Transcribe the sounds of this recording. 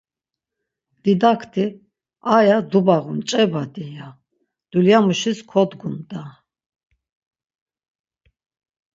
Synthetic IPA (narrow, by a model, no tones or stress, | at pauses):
d̪̥id̪akʰt̪ʰi | ajad̪ubaʁunt͡ʃʼɛbad̪ija | d̪̥uljamuʃiskʰɔd̪ɡumd̪a